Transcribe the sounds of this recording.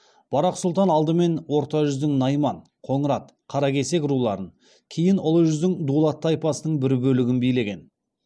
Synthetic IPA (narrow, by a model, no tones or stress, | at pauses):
b̥ɑɾɑqsʊlˠt̪ɑnɑlˠd̪əme̞nwo̞ɾt̪ɑʒʏzd̪ɪŋnɑjmɑɴ | qʰo̞ɴəɾɑt̪̚ | qʰɑɾɑkʲʰe̞se̞kʲɾulˠɑɾən | kʲʰejɪnʊlˠəʒʏzd̪ɪŋd̪ulˠɑt̪ːɑjpɑsənəɴbɪɾbɵlɪɡʲɪnbijle̞ɡʲe̞n